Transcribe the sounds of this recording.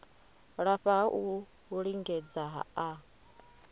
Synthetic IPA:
ɺaɸaʔu | uɺiŋɡɛd͡zaɦa̰a

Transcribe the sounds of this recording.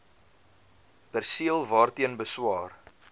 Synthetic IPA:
pærsiəlˠvɑːrtiənbəswɑːr

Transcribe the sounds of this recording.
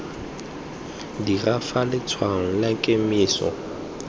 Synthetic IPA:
dirafalɪt͡sʰwaŋ̩lakʼemiːsɔ̰

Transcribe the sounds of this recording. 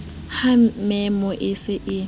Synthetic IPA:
hamɛmɔʔɪsɪʔɪ

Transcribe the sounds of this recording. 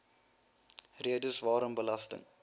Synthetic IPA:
riədəsvɑːɾəmbəlɐstə̰ŋ

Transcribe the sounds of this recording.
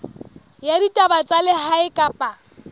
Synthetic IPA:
jaditʼabat͡sʼalɪhaɪkʼapʼa

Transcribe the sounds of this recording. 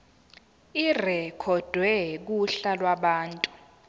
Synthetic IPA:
irɛkʰɔd̥ʱwɛk̬uɬalwaɓaːntʼu̥

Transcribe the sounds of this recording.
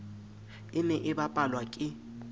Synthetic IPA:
ɪmɪʔɪbapʼalwakʼɪ

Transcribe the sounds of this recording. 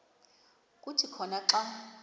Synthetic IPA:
kʼutʰikʰɔnaǁa

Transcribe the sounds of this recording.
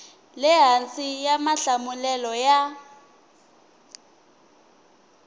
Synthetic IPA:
lɛɦant͡sijamaɬamulɛlɔja

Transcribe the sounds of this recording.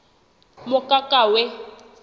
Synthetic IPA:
mʊkʼakʼawɛ

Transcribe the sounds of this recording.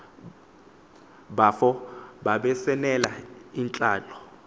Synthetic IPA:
ɓafɔɓaɓɛsɛnɛlaint͡ɬʼaːlɔ

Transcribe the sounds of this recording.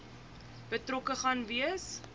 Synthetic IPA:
b̥ətrokəχɐnviəs

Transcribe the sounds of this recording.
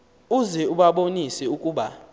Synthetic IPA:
uzɛuɓaɓonisɛukʼuːɓa

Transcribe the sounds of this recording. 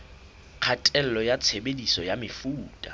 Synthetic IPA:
q͡χʰatʼɛl̩lɔjat͡sʰebedisɔjamɪfuːtʼa

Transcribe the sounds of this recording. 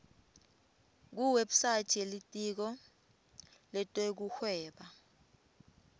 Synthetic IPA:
k̬uweɓu̥sḁt͡ʃʰʼelitʼik̬ɔ | lɛtʼek̬uxwɛːɓa

